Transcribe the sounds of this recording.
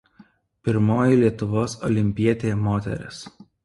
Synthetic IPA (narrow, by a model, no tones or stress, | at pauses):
pʲɪɾmoːjɪlʲiɛt̪ʊʋoːsɔ̰lʲɪmʲpʲiɛt̪ʲeːmoːt̪ʲɛ̰ɾʲɪ̰s